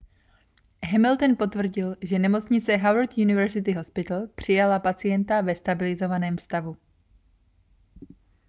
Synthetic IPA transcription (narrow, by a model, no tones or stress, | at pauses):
ɦɛmɪlt̪onpo̞t̪vr̩ɟɪlʒɛnɛmo̞t͡sɲɪt͡sɛɦawɾt̪junɪvɛɾzɪt̪ɪɦo̞spɪt̪l̩pr̝̥ɪjalapat͡sɪjɛnt̪avɛst̪abɪlɪzovanɛːmfst̪avu